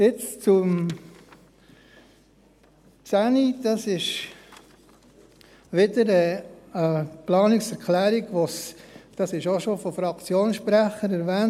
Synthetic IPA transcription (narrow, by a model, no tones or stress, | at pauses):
jɪt͡st͡sum | sænid̥ɑsɪʃ | ʋɪdəɾəəplɑːnɪksɛɾkʰlæːɾiɡʋosd̥ɑsɪʃoʃofofɾɑkt͡sjoːnsʃpɾæχəɾɛɾvɛːn